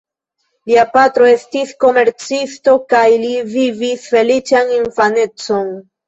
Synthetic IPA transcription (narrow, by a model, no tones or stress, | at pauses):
liapatɾo̞e̞stisko̞me̞ɾt͡sisto̞kajlivivisfe̞lit͡ʃaninfane̞t͡so̞n